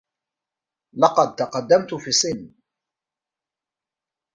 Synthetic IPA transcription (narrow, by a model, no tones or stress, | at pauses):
lɑqɑd̪̚t̪ɑqɑd̪ːamt̪ʊfiːsɪnː